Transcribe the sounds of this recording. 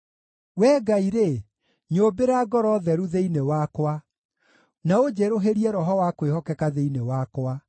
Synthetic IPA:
wɛːɡaiɾe | ɲobeɾaɡɔɾɔðɛɾuðeinewakwa | naod͡ʑeɾoɦeɾiɛɾɔɦɔwakwehɔkɛkaðeinewakwa

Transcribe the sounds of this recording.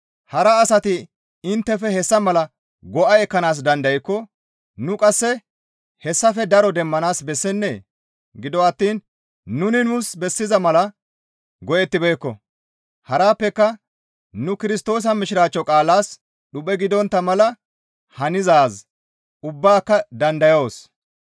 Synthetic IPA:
hɐɾɐːsɐt̪ɪ | ɪnt̪ːɛfɛhɛsːɐmɐlɐ | ɡɔʔɐjɛkːɐnaːs̬d̪ɐnd̪ɐjɪkːɔ | nʊkʼɐsːɛ | hɛsːɐfɛd̪ɐɾɔd̪ɛmːɐnaːsbɛsːɛnːe̞̰ː | ɡɪd̪ɔɐt̪ːiːnː | ʊnɪnʊsbɛsːɪzɐmɐlɐ | ɡɔʔɛt̪ːɪbeːkːɔ̰ | hɐɾaːpːɛkːɐ | nʊkɪɾɪst̪o̞ːs̬ɐmɪʃɪɾaːt͡ʃːɔkʼaːlaːs | ɗʊpʼɛɡɪd̪ɔnt̪ːɐmɐlɐ | hɐnɪzaːz | ʊbːaːkːɐd̪ɐnd̪ɐjoːs

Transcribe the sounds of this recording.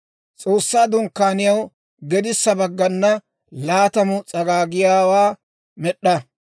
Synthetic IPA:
t͡sʼo̞ːsːaːd̪ʊŋkːaːnɪjɐw | ɡɛd̪ɪsːɐbɐɡːɐnːɐ | laːt̪ɐmʊt͡sʼɐɡaːɡɪjaːwaː | mɛɗːɐ

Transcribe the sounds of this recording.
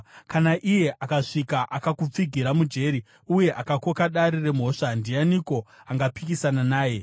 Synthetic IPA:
kanaʔije̞ʔakaʂikaʔakakup͡fiɡʱiɾamud͡ʒe̞ɾi | uje̞ʔakako̞kaɗaɾire̞m̤o̞ʂandijaniko̞ | aŋɡapikisananaːje̞

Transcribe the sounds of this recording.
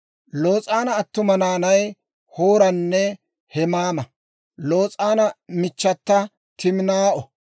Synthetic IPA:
lo̞ːt͡sʼaːnɐːt̪ːʊmɐnaːnɐj | hoːɾɐnːɛ | hɛmaːmɐ | lo̞ːt͡sʼaːnɐmɪt͡ʃːɐt̪ːɐ | t̪ɪmnaːʔɔ

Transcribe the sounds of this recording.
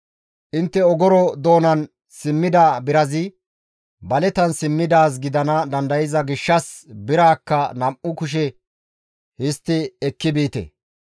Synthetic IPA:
ʔɪnt̪ːɛɔɡɔɾɔd̪oːnɐn | sɪmːɪd̪aːbɪɾɐzɪ | bɐlɛt̪ɐnsɪmːɪd̪aːs̬ɡɪd̪ɐnɐd̪ɐnd̪ɐjɪzɐɡɪʃːɐsbɪɾaːkːɐnɐmʔʊkʊʃ̬ɛ | hɪst̪ːɪɛkːɪbiːt̪ɛ̰

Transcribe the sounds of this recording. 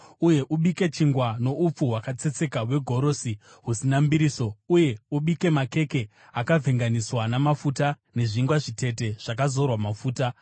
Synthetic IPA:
uje̞ʔuɓike̞t͡ʃiŋɡwano̞up͡fuwakat͡se̞t͡se̞kawe̞ɡʱo̞ɾo̞si | ɦusinambiɾiːso̞uje̞uɓike̞make̞ke̞ | akavʱe̞ŋɡaniswanamafuta | ne̞ʐiŋɡwaʐite̞te̞ʐ̥akazo̞rwamafuːta

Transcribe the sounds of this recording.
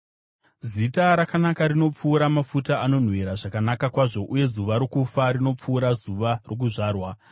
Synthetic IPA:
zitaɾakanakaɾino̞p͡fuːɾamafutaano̞n̤weɾaʐakanakakwaʐo̞ʔuje̞zuʋaɾokufarino̞p͡fuːɾazuʋarok̬uʐaːrwa

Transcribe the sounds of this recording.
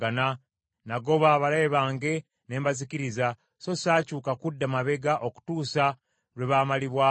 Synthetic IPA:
ana | naɡo̞βaːβalaːβaːŋɡe̞ | ne̞ːmbaziciɾiza | so̞saːcuːkakudːamaβe̞ɡaʔo̞ku̥tuːsa | ɾweβaːmaliβwaː

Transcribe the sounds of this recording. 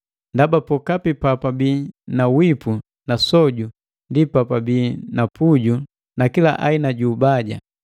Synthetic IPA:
ndabapɔkapipapabiːnawipu | nasɔɟu | ndipapabiːnapuɟu | nakila̰ʔainaɟuːbaɟa̰

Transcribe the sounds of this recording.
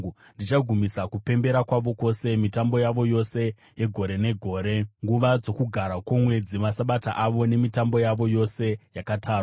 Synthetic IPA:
ndit͡ʃaɡʱumisakupe̞mbe̞ɾakwaʋo̞ko̞se̞mitambo̞jaʋo̞jo̞se̞ | je̞ɡʱo̞ɾe̞ne̞ɡʱo̞ːɾe̞ŋɡuʋad͡zo̞kuɡʱaɾakwomwe̞d͡zimasaɓataʔaʋo̞ne̞mitambo̞jaʋo̞jo̞se̞jakatʰaːrwa

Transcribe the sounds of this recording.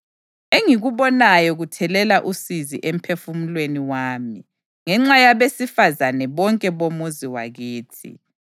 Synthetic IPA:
eŋiɣuβɔnajɔɣutʰɛlɛlaʔusiziʔem̩pʰefumulweniwaːmi | ŋɛŋ͡ǁajaβesifazanɛβɔŋkʼɛβomuziwaɣiːtʰḭ

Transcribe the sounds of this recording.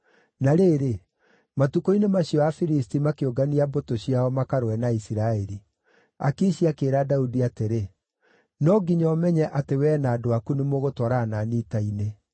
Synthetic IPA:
naɾeːɾe | matukoinemaɕiɔafiɾistimakeoɡaniabotoɕiaɔmakaɾwɛnaisiɾaɛɾi | akeɕiakeːɾadaudiateɾe | nɔɡiɲɔmɛɲɛʔatewɛːnaːdoakunemoɣotwaɾananitaine

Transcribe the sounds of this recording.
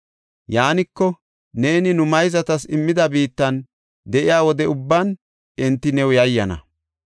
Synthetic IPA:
jaːnɪkːɔ | ne̞ːnɪnʊmɐjzɐt̪ɐsɪmːɪd̪ɐbiːt̪ːɐn | d̪ɛʔɪjaːwɔd̪ɛʊbːɐn | ɛnt̪ːɪnɛwjɐjːɐnɐ̰

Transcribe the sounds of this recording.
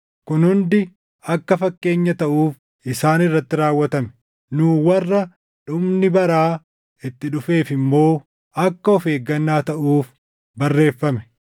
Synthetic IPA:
kʊnhʊnd̪ɪ | ɐkːɐfɐkːe̞ːɲːɐt̪ɐʔuːf | ʔɪsaːnɪrːɐt̪ːɪɾaːwːɐt̪ɐmɛ̥ | nuːwɐrːɐ | ᶑʊmnɪbɐɾaː | ɪt̪ːɪᶑʊfe̞ːfɪmːo̞ː | ɐkːɐɔfe̞ːɡːɐnːaːt̪ɐʔuːf | bɐrːe̞ːfːɐmɛ̥

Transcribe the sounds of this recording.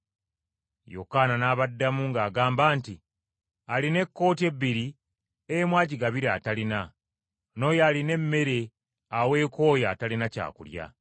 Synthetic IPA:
jo̰kananaːβadːamuŋɡaːɡaːmbaːnti | aline̞kːo̞ːtie̞βːiɾi | ejemwaːɟiɡaβiɾa̰ːtalina | no̞ːjaːline̞mːe̞ɾe̞ | awe̞ːko̞ːjaːtalinaca̰ːkṵlja̰

